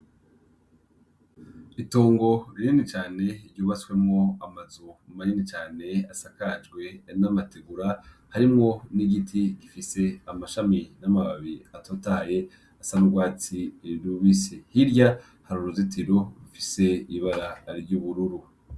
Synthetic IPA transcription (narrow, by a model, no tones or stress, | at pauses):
itoːŋɡo̞ɾiɲenit͡ʃaːne̞iɾɟoːβaswe̞mŋo̞amazumumaɲinit͡ʃaːne̞asakad͡ʒɡwe̞namateɡuɾa | haɾimŋo̞niɡitʰiɡifise̞amaʃaminamaβaβiatʰotaːje̞ | asanuɡwaːt͡siɾuβisehiɾɟa | haɾuɾuzitʰiɾoɾufise̞iβaɾaːɾiɾɟuβuɾuɾu